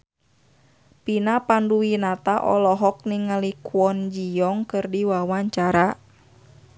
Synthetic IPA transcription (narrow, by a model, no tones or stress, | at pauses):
pinapanduinat̪aʔɔ̰lɔɦɔk̚niŋalikwɔnd͡ʒijɔŋkɨrdiwawaɲt͡ʃaɾa